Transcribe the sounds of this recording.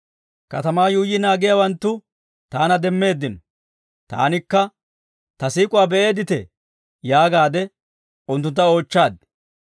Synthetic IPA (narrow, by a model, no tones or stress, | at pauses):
kɐt̪ɐmaːjuːjːɪnaːɡɪjawɐnt̪ːʊ | t̪aːnɐd̪ɛmːe̞ːd̪ːɪnɔ | t̪a̰ːnɪkːɐ | t̪ɐsiːkʼʊwaːbɛʔe̞ːd̪ɪt̪ɛ | jaːɡaːd̪ɛ | ʊnt̪̬ːʊnt̪ːɐo̞ːt͡ʃːaːd̪